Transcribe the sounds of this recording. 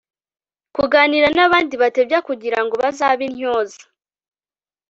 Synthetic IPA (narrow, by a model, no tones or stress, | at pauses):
kuɡaːniɾanaβaːndiβate̞bjakuɟiɾaŋɡo̞βazaβinɲoːzḁ